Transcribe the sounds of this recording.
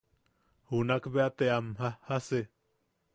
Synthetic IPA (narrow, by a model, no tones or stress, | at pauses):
hunakbeat̪eamɦahase